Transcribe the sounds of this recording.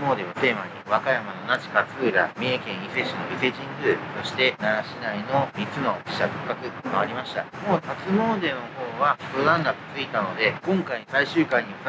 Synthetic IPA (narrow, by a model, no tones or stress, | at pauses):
mo̞ːd̪e̞βat̪e̞ːmaɲ̟iβakajamano̞nat͡ɕi̥kat͡sɨːɾa̰mʲeːkẽ̞ɰ̃ise̞ɕino̞ise̞ʑĩŋɡɯːso̞ɕi̥t̪e̞naɡaɕinaino̞mʲit͡sɨno̞ːpʲi̥ɕakɯ̥kːakɯ̟maaɾʲimaɕi̥t̪a̰moːhat͡sɨmo̞ːd̪e̞noho̞ːβabɯɾãnːd̪akɯ̟̥t͡sɨit̪ano̞d̪e̞kõ̞ŋkaisaiɕɨːkaiɲ̟i